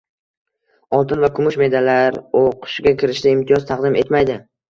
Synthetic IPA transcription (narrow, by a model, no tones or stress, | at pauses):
ɒlˠt̪ʰɪnvakʰʊmʊʃme̞d̪alaɾoqʰʊ̥ʃɡʲakʲʰɪɾɪʃd̪ɪɪmt̪ʰijɒzt̪ʰɑqd̪ɪme̞t̪majd̪ɪ